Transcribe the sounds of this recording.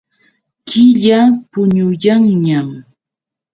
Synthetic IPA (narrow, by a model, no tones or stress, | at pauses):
kʰɪʎapʊɲʊjaŋɲam